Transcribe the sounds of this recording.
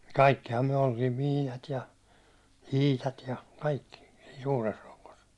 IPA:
kɑikːihɑm myæ̹ oltiːm miːnɑt jɑ iːtɑt jɑ kɑikːi siːn̞ suːres rokˑos

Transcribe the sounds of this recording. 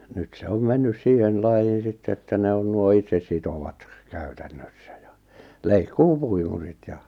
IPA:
nyt se om menːys siːhen lɑjːiːn̞ sitːe etːæ ne on nuo itsesːitowɑt kæ̥ẙtæ̥n̥ːøsːæ̥ j̊ɑ̥ leikːuːpuimurit jɑ

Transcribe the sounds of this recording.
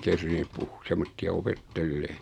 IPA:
kerːinːyp puh semːotːiɑ opetːelːeː

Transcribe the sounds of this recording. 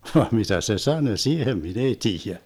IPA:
ʋɑːm mitæ se sɑnø siːhem min ei tiːjæ

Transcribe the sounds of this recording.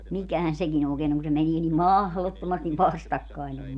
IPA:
mikæhæn sekin oːkeːn oŋ ku se meniː nim mɑhlotːomɑstiʋ ʋɑstɑkːɑin se om

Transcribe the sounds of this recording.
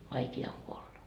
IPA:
ʋɑikiɑ oŋ kuolːɑ

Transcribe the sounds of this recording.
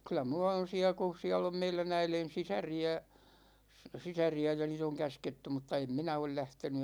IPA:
kylˑæ mulːɑ on̞ siæ ku̞ siælː om meilæn æilen̞ sisæriæ sisæriæ jɑ niːt oŋ kæsketːy mutːɑ em minæ ol læhteny

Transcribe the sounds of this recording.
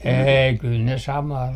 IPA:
eːi kyl ne sɑmɑː

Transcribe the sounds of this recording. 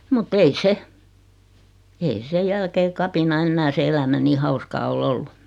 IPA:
mutː ei se ei se jælkeː kɑpinɑ enːæː se elæmæ niː hɑuskɑː ol olːu

